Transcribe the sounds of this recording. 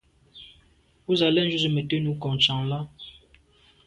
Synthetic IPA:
u˦za˨lɛ˦n̩˦d͡ʒu˦zə˨me˨te˦nu˨˦kɔ˨ŋt͡ʃa˨ŋla˦

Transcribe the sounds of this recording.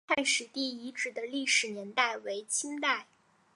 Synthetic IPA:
a˥˩nʂɻ̩˨˩t̪i˥˩i˧˥ʈ͡ʂɻ̩˨˩d̪ə˦li˥˩ʂɻ̩˨˩njɛ˧˥nt̪a˥˩ɪwe˧˥ɪt͡ɕʰi˥nt̪a˥˩ɪ

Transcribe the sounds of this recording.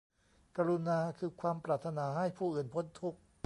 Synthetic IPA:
ka˧ɾu˧naː˧kʰɯː˧kʰwaː˧mpɾaː˨˩t̪ʰːa˧naː˩˦ɦa˥˩jpʰuː˥˩ʔɯː˨˩npʰo˧˥nt̪ʰu˦˥˩k̚

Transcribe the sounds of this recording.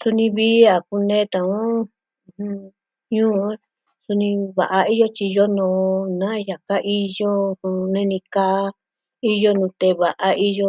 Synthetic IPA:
su˧nĩ˧βi˦a˨ku˧nẽː˦t̪ã˧˨ũ˦˧˨ | ũ˧ | ɲũː˦ | su˧nĩ˧βa˨ʔa˧i˦jo˦t͡ʃi˧jo˦nõː˨˧nã˦˧ja˨ka˦ʔi˦jo˦ũ˧nẽ˧nĩ˧ka˦ | i˦jo˦nũ˧t̪e˧βa˨ʔa˧ʔi˦jo˧

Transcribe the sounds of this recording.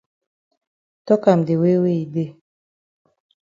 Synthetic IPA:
tɔ˦ka˨m˨de˨we˦we˦i˨de˦˨

